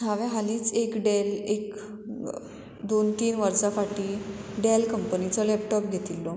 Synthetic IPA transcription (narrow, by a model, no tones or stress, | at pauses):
aʋɛ̃ɦaliːt͡sekɖelek | d̪ont̪iːnʋəɾsakaʈiːɖelkəmpənit͡sɔlɛpʈɔp̚ɡʱet̪ilːɔ